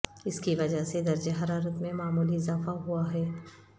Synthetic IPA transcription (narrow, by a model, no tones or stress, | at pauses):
ɪskiʋɐd͡ʒaɦsed̪ɐɾd͡ʒeɦɐɾaːɾət̪mẽmaːmuːliɪzaːfaɦuaɦɛː